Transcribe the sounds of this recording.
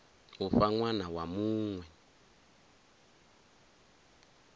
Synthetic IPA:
ufaŋwanawamuːŋwɛ

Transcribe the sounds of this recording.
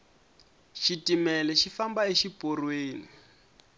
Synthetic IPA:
ʃitimɛlɛʃifambaeʃipʼorweːni

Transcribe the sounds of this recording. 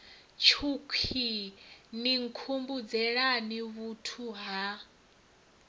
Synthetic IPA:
t͡ʃʰukʰiniŋkʰumbud͡zɛɺaniβutʰuɦa

